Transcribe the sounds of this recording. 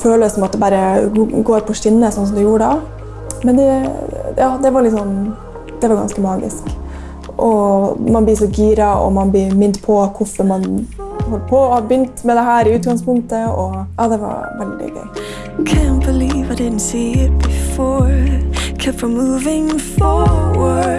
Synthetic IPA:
føːləsɔmɑt̪̚d̪ɛbɑːɾəɡoːɾpʰɔʂɪnːəsɔnsɔmd̪ɛjuːɾəɖɑ | mɛnd̪ɛjɑːd̪ɛʋɑɾlɪt̪ːsɔn | d̪̥ɛʋɑɾɡɑ̰nskəmɑːɡɪ̰sk | ʔɔmɑnblɪːs̬ɔɡiːɾɑɔ̰mɑnblɪmɪnt̪pʰɔkʰʊfɔɾmɑnhɔlːəpʰɔɑbʏnt̪mɛd̪ɛɦæːɾɪʉːt̪ɡɑŋspʊŋk̚t̪əɔjʔɑːd̪ɛʋɑ̰ɾʋɛld̪ɪ̰ɡœ̰ʏ | kʰænb̥əliːvaɪdɪdⁿn̩tsiɪt̪̚b̥əfɔɹkʰɛfəmuːvɪ̃ŋfɔwə

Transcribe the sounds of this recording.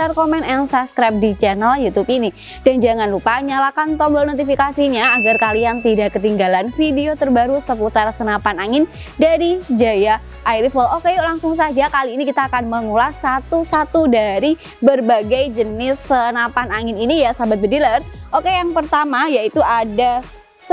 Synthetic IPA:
t̪arkomɛnɛnsaskɾɛp̚dit͡ʃɛnaljut̪upini | d̥and͡ʒaŋanlupaɲalakant̪ɔmlonot̪ifikasiɲaːɡarkaliaŋt̪idaʔkət̪iŋɡalanfideot̪ərbaɾusəput̪arsənapanaŋɪn | daɾid͡ʒaja | ʔajɾifəlokelaŋsʊŋs̬ad͡ʒakaliːnikit̪aːkanməŋulasat̪usat̪udaɾi | bərbaɡajd͡ʒənɪsənapanaŋɪninijasabat̪̚bədilərʔokejaŋpərt̪amajait̪uʔada | s

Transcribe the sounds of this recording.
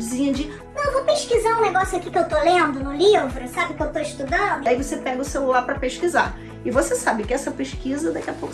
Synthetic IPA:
d͡ʒɪzĩɲɐd͡ʒɪ | nɐ̃w̃võpeʃkizaũneɡɔsjʊakikɪewt̪olẽnd̪ʊnʊlivɾʊsabɪkɪewt̪oɪʃt̪ud̪ɐ̃nd̪ʊaivosepɛɡɐʊselulaɾpɾɐpeʃkizaɾ | ɪvosesabɪkɪɛsɐpeʃkizɐd̪akiɐpowk

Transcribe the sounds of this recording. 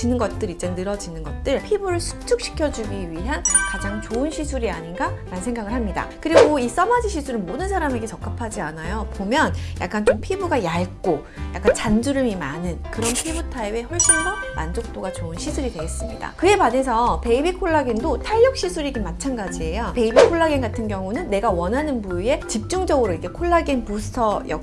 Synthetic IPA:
inɯnɡʌt̚t͈ɯɾit͡ɕ͈ennɯɾʌd͡ʑinɯnɡʌt̚t͈ɯɭpʰibuɾɯɭsʰu̥t͡ɕʰuk̚ɕ͈ʰi̥kʰjʌd͡ʑuɡiɥiɦankad͡ʑaŋt͡ɕoɯnɕʰisʰuɾiaɲinɡaɾanɯnsʰeŋɡaɡɯɭɦamɲida̰kɯɾiɡois͈ʌmad͡ʑiɕʰisʰuɾɯnmodɯnsʰaɾame̞ɡe̞t͡ɕʌk͈apʰad͡ʑianajopomjʌnja̰k͈ant͡ɕ͈ompʰibuɡajaɭk͈o | ja̰k͈ant͡ɕand͡ʑuɾɯmimanɯnkɯɾʌnpʰibutʰaibe̞ɸwʌɭɕ͈insʌmand͡ʑok̚t͈oɡat͡ɕoɯnɕʰisʰuɾidwe̞ɡe̞s͈ɯmɲida̰kɯe̞pane̞sʰʌpe̞ibikʰoɭːaɡindotʰaɭjʌk̚ɕ͈isʰuɾiɡimat͡ɕʰanɡad͡ʑie̞jope̞ibikʰoɭːaɡinɡatʰɯnɡjʌŋunɯnːe̞ɡawʌnɦanɯnpuie̞t͡ɕip̚t͡ɕ͈uŋd͡ʑʌɡɯɾoiɡe̞kʰoɭːaɡinpusʰtʰʌjʌ̰

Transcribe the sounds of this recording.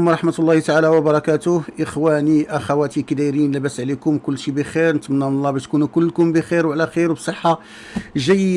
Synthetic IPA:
mɾˤɑħmət̪lˤːɑht̪aʕalæwəbɑɾˤɑkæt̪ʊhʔəxwæniʔaxæwæt̪ikd̪iɾinlæbæsʕlikʊmkʊlːʃibəxiɾnət̪mnːæmnlˤːɑbæʃt̪kunukʊlːkʊmbəxiɾwʕlæxiɾwbsˤəħːa | ʒəj

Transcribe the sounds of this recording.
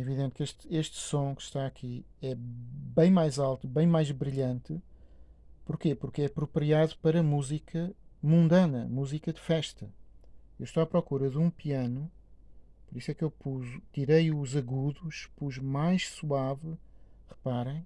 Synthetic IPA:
ɛiviðẽnt̪keʃt̪eʃt̪sõkɨ̥ʃt̪aɐkʰi | ɛbɐ̃j̃majzalˠt̪uβɐ̃j̃majʒβɾiʎɐ̃nt̪ɨ | puɾkepuɾkɛɐpɾupɾiaðupɐɾɐmuzikʰɐmũnd̪ɐnɐmuzikɐd̪ɨfɛʃt̪ɐ | ewʃt̪oapɾɔkuɾɐðũpiɐnu | pɔɾiswɛkewpuʒut̪iɾejuzɐɣuðuʃpuʒmajʃsuavɨʁɨpaɾɐ̃j̃

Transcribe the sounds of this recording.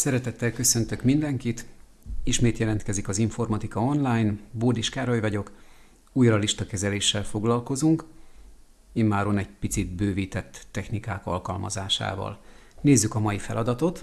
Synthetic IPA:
sɛɾɛt̪ɛt̪ːɛlkø̞sø̞nt̪ø̞kmind̪ɛŋkit̪ | iʃmeːt̪jɛlɛnt̪kɛzikɒziɱfo̞rmɒt̪ikɒo̞nlaːjnboːd̪iʃkaːɾojvɒɟo̞k | uːjrɒliʃt̪ɒkɛzɛleːʃːɛlfo̞ɡlɒlko̞zuŋk | eːmmaːɾonɛɟpit̪sit̪bøːviːt̪ɛt̪ːɛxnikaːkɒ̰lkɒ̰lmɒ̰zaːʃa̰ːvɒ̰l | neːzːykɒmɒjifɛ̰lɒd̪ɒt̪o̞t̪

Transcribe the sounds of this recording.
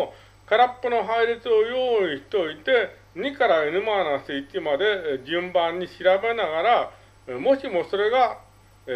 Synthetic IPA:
kaɾapːɯno̞ɦaiɾʲet͡sɨo̞joːiçi̥t̪o̞it̪e̞ | ɲ̟ikaɾaenɯ̟maːnasɨit̪ʲimad̪e̞d͡ʑɨ̃mbãɲ̟ːiɕiɾabe̞naɡaɾa | mo̞ɕimo̞so̞ɾe̞ɡa

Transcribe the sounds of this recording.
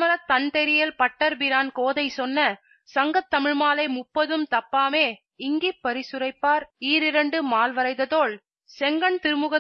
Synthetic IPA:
mɐɾɐt̪ːɐnt̪ɛɾɪjɐlpɐʈːɐɾbɪɾaːnkoːðɐɪsɔnːɐ | sɐŋɡɐt̪ːɐmɪɻmaːlɐɪmʊpːɐðɯmt̪ɐpːaːmeː | ɪŋɡipːɐɾɪsɯɾɐɪpːaːɾiːɾɪɾɐɳɖɯmaːlʋɐɾɐɪd̪ɐt̪oːɭ | sɛŋɡɐɳt̪ɪɾɯmɯɣɐ

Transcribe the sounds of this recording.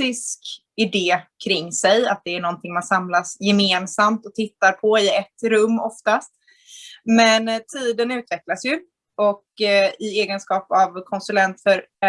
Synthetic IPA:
ɪsk | ɪd̪eːkʰɾɪŋːsɛjat̪̚d̪ɛæɳɔnt̪ʰɪŋmansamlasjɛmeːnsamt̪ɔt̪ʰɪt̪ːaɾpʰɔɪɛt̪ːɾɵmːɔft̪ast̪ | mɛnt̪ʰiːd̪ənʉ̟ːt̪vɛklasjɵ | ɔkɪeːɡənskɑːpavkʰɔnsɵlɛnt̪fœɾ

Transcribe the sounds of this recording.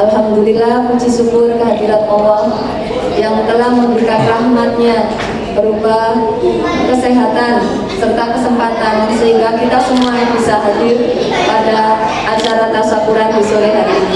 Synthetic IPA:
alɦamd̪ulilahkut͡ʃisukʊrkəɦadiɾanɔɦɔh | jaŋt̪əlahməmbɾikanrahmat̪̚ɲa | bəɾubah | kəseɦat̪an | sərt̪akəsəmpat̪ansəɦiŋɡakit̪asəmuajaŋbisaɦadɪr | padaː | t͡ʃaɾat̪asakuɾandisoliɦa

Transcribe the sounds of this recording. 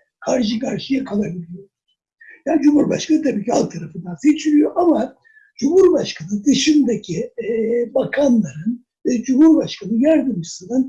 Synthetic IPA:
kʰaɾʃ̬ɯkʰaɾʃɯjakʰalˠabilʲijo̞ɾuz̥ | jaːnd͡ʒumuɾba̰ʃkʰanɯt̪ʰabiːcʰia̰lˠk̚t̪ʰaɾafɯnd̪anset͡ʃʰilʲijo̞ʔama | d͡ʒumhuɾbaʃkʰanɯd̪ɯʃɯmd̪acʰi | bakʰanlˠaɾɯn | vɛd͡ʒumhuɾbaʃkʰanɯjæɾd̪ɯmɯsɯnan

